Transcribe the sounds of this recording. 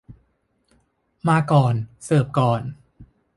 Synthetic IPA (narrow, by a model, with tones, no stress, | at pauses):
maː˧kɔː˨˩nsɤː˨˩p̚kɔː˨˩n